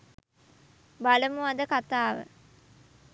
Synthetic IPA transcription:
baləmuad̪əkat̪aːʋə̰

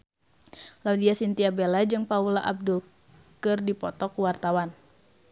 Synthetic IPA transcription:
laudiasint̪iabelad͡ʒɨŋpaulaʔab̚dul | kɨrdipɔt̪ɔkuwart̪awan

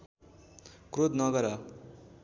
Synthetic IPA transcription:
krod̪nʌɡʌɾʌ

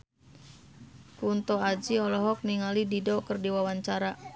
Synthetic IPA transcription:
kunt̪ɔad͡ʒiɔlɔɦɔk̚niŋalididɔkərdiwawaɲt͡ʃaɾa

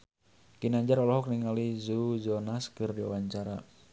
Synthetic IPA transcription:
kinaɲd͡ʒaɾɔlɔɦɔkniŋalizud͡ʒɔnaskərdiwa̰waɲt͡ʃaɾa

